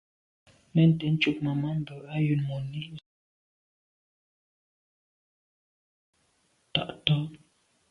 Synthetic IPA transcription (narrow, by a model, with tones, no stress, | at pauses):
mɛ˨n̩˨tɛ˨n̩˦t͡ʃu˦˨k̚ma˨ma˦m̩˦bə˨a˦jʉ˨nmɔ˨ni˦ | ta̰˨ʔtɔ˦